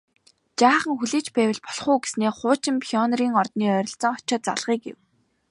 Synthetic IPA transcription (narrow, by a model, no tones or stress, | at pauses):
t͡ɕaːχə̆ŋxuɮeːt͡ɕpæːwɪ̆ɮpɔɮχʊːɡe̥sneːχʊːt͡ɕɪ̆mpʰiɔnriːŋɔrt̪niːœɾʲɞ̆ɬt͡sɞ̆ŋɔ̥t͡ɕɔ̆ːt̪̚t͡sa̰ɮʁiːkɡḛw